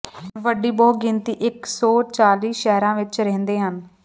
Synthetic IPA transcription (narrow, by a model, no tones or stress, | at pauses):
ʋəɖiːbɔːɡɪnt̪iːʔɪksɔːt͡ʃaːliːʃɛɦɾãːʋɪt͡ʃɾɛɦnd̪eːɦən